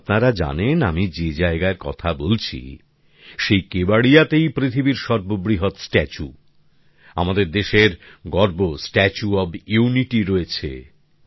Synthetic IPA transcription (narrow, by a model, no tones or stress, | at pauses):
pnaɾad͡ʑa̰nenamid͡ʑed͡ʑaeɡaeɾkɔ̰t̪ʰabolt͡ɕʰḭ | ʃejkebaɽijat̪ejpɾit̪ʰibiɾʃɔɾbobɾiɦot̪sʈɛt͡ɕu | amad̪eɾd̪eʃeɾɡɔɾbosʈɛt͡ɕuɔbjuniʈiɾoet͡ɕʰḛ